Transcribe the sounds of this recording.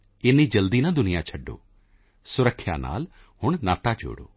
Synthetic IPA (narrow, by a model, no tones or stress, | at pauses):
ɪniːd͡ʒəld̪iːnãːd̪ʊnɪjãːt͡ʃʰəɖːo̰ː | sʊɾəkʰːja̰ːna̰ːl | hʊɳ̃naːt̪aːd͡ʒo̰ːɽo̰ː